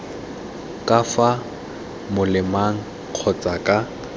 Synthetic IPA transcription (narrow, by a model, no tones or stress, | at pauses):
kʼafa | mʊlɪmaŋ̩ | q͡χʰɔt͡sʼakʼa